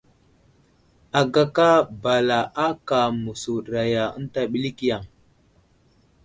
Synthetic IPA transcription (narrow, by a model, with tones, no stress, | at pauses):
a˨ɡa˨ka˦ba˨la˨ʔa˦ka˨mu˨su˨ɗɾa˨ja˨ə̰˦n˦ta˦ɓi˦li˦ki˦ja˨ŋ